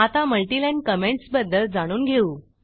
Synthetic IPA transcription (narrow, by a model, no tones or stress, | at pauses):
at̪aməlʈilɛɳɖ̚kəmeɳʈsbəd̪ːəld͡zaɽ̃uːnɡʱeuː